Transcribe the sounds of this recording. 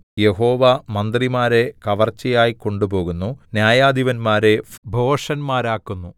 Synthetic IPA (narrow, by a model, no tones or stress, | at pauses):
je̞ho̞ːʋamɐnd̪rimaːɾe̞kɐʋɐrt͡ɕːɐjaːjiko̞ɳɖubo̞ːɣunːunjaːjaːd̪iʋɐnmaːɾe̞bʱoːʂɐnmaːɾaːkːunːu